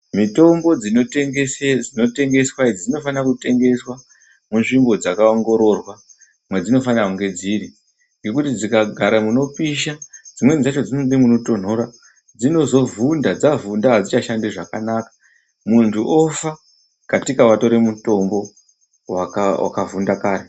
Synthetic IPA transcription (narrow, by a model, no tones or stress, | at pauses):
mito̞mbo̞d͡zinoteŋesed͡zino̞te̞ŋɡe̞swaid͡zid͡zino̞fanakute̞ŋɡe̞swa | munʐimbo̞d͡zakaoŋɡo̞ɾo̞rwa | mwed͡zino̞fanauŋɡe̞d͡ziɾi | ŋɡe̞k̬utid͡zikaɡʱaɾamuno̞piʃad͡zimwe̞nizat͡ʃo̞d͡zinoɗimuno̞to̞n̤o̞ɾa | d͡zino̞zo̞vundad͡zavundaɦad͡zit͡ʃaʃandiʐakanaːkḁ | muntʰuʔofa | katikawato̞ɾe̞muto̞mbo̞ | wakawa̰kavundakaːɾe